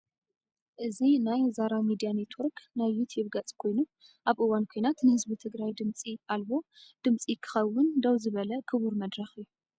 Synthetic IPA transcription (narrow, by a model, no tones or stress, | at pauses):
ʔɨzinajzaɾamid̪ijanet̪ʰwoɾknajːut̪ʰjubɡat͡sʼkʰo̞jnu | ʔaβʔɨwankʰojnat̪nɨhɨzbit̪ʰɨɡɾajd̪ɨmt͡sʼiʔalbo̞d̪̥ɨmt͡sʼikʰɨ̥xɐwːʊnd̪ɐwzɨβɐlɐkʰɨβuɾmɐd̪ɾɐxɨjːu